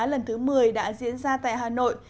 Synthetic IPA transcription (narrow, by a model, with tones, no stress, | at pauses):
lə˨˩nt̪ʰɨ˨˦mɨ˨˩əjɗa̰ː˧˥zḭ˧˥ənzaː˧t̪a̰ː˧˨jɦaː˨˩no̰˧˨j